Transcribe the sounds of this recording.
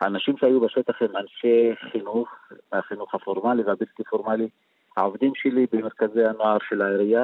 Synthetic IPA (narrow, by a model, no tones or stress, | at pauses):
haːnaʃimʃeajubeʃet̪aχhemanʃeχinuχmaχinuχhafoʁmaliveabilt̪ifoʁmali | haovd̪imʃelibemeʁkazejhanoaʁʃe̞laeʁija